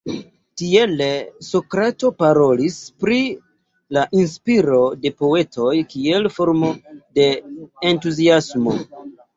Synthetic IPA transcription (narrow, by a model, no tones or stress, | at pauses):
tieleso̞kɾato̞paɾo̞lispɾi | laʔinspiɾo̞de̞po̞e̞to̞jkie̞lfo̞ɾmo̞de̞ːntuziasmo̞̰